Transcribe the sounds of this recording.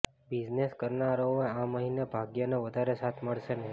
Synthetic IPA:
bid͡ʒneskəɾnaɾooeãməɦinebʱaɡjəneʋəd̪ʱaɾesat̪ʰməɭʃene

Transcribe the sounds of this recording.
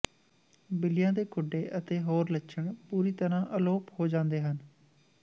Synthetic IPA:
bɪlɪjãːd̪eːkʰʊɖːeːʔət̪eːɦoːɾlətːʃʰəɳpuːɾiːt̪əɾãːʔəloːphoːd͡ʒãːnd̪eːɦən

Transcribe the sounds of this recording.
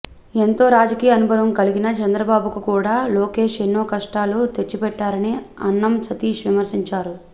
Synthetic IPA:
e̞nt̪o̞ːɾaːd͡ʒɐkiːjɐnubʱɐɾɐmkɐliɡinɐt͡ʃɐnd̪ɾɐbaːbukukuːɽaːloːke̞ːʂenːo̞ːkɐʂʈaːlut̪et͡ʃːipɛʈːaːɾɐni | ɐnːɐmt͡ʃɐt̪iːʂʋimɐɾsiɲt͡ʃaːɾu

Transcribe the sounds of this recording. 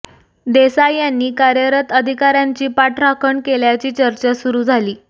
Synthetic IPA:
d̪esajanːiːkaɾjəɾət̪əd̪ʱikaɾjaɲt͡ɕiːpaʈɾakʰəɳkeljat͡ɕiːt͡ɕəɾt͡ɕasuɾuːd͡zʱaliː

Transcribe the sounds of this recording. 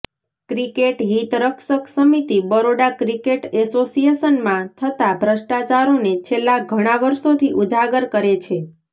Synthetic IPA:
kɾikeʈɦit̪ɾəkʃəksəmit̪ibəɾoɽakɾikeʈɛsosijesənmãt̪ʰət̪abʱɾəʃʈat͡ʃaɾonet͡ʃʰelːaɡʱəɽ̃aʋəɾʃot̪ʰiʔud͡ʒʱaɡəɾkəɾet͡ʃʰe

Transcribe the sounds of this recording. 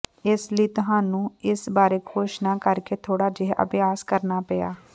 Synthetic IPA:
ɪsliːt̪ʊɦãːnũːɪsbaːɾeːkʰoːʃnaːkəɾkeːt̪ʰoːɽaːd͡ʒeɦʔə̰bɪjaːskəɾnaːpəja̰ː

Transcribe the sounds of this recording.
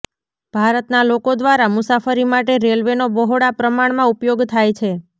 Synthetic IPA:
b̥ʱaɾət̪nalokod̪ʋaɾamʊsafəɾimaʈeɾelʋenobəɦoɽapɾəmaɳmãupjoɡt̪ʰajt͡ʃʰe

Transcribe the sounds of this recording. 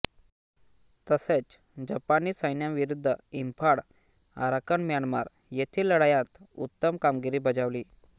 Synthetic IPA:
t̪əset͡s | d͡ʑəpaniːsəjnjamʋiɾud̪ʱːəimpʰaɽ | a̰ɾakənmjaɳmaɾ | jet̪ʰiːləɽajat̪ut̪ːəmkamɡiɾiːbəd͡zaʋliː

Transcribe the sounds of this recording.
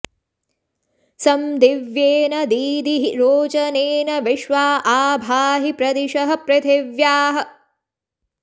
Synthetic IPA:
sɐmd̪iʋjeːnɐd̪iːd̪iɦiɾoːt͡ʃɐneːnɐʋiʃʋaːʔaːbʱaːɦipɾɐd̪iʃɐɦɐ̆pɾɐt̪ʰeʋjaːɦɐ̆

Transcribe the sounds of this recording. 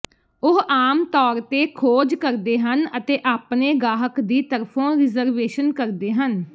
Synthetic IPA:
ʊɦaːmt̪ɔːɾt̪eːkʰoːd͡ʒkəɾd̪eːɦənət̪eːʔaːpneːɡaːɦəkd̪iːt̪əɾpʰõːɾɪzəɾʋeːʃənkəɾd̪eːɦən

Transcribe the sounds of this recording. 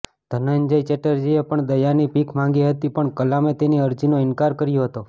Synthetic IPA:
d̪̥ʱənənd͡ʒəjt͡ʃeʈəɾd͡ʒiepəɳd̪əjanipikmãŋɡiɦət̪ipəɳkəlamet̪eniəɾd͡ʒinoɪnkaɾkəɾjoɦət̪o

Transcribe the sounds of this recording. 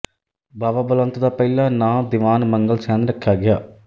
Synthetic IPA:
bʱɐʋɐbɐlɐnt̪ɐd̪ɐpɐjlːɐnaːd̪iʋaːnmɐŋɡɐɭsaːnɾɐkːjaːɡɐjaː

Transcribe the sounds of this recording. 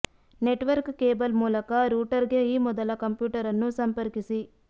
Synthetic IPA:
neʈʋɐɾkkeːbɐlmuːlɐkɐɾuːʈɐɾɡe̞iːmɔd̪ɐlɐkɐmpjuːʈɐɾɐnːusɐmpɐɾkisi

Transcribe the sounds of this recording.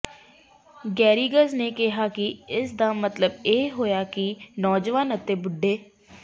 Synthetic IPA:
ɡɛːɾiːɡəzneːkɪɦaːkɪɪsd̪aːmət̪ləbeːɦoːjaːkɪnɔːd͡ʒʋaːnət̪eːbʊɖːeː

